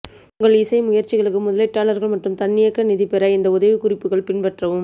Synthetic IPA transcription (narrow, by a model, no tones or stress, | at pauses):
ʊŋɡɐɭɪsɐɪmʊjɐɾt͡ʃɪɣɐɭɯkːɯmʊðɐlɐɪʈːaːlɐɾɣɐɭmɐʈrɯmt̪ɐnːɪjɐkːɐnɪðɪpɛɾɐɪnd̪ɐʊðɐʋɯkʊrɪpːɯɣɐɭpɪnpɐʈrɐʋɯm